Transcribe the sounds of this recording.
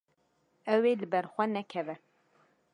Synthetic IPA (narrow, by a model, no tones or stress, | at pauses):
ɛweːlɨbɛɾxʷɛnɛkʰɛvɛ